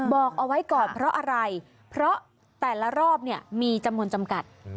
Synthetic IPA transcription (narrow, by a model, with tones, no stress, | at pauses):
bɔː˨˩k̚ʔa˧wa˦˥jkɔː˨˩npʰɾɔ˦˥ʔa˧ɾa˧j | pʰɾɔ˦˥ | t̪ɛː˨˩la˧ɾɔː˥˩p̚ni˥˩əmiː˧t͡ɕa˧mnu˧ənt͡ɕa˧mka˨˩t̪̚